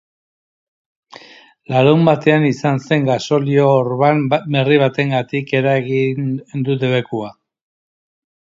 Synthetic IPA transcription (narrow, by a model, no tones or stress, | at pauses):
laɾewmbat̪e̞anisanse̞ŋɡaso̞lio̞ːɾβambe̞riβ̞at̪e̞ŋɡat̪ike̞ɾaɣinnd̪ut̪eβekua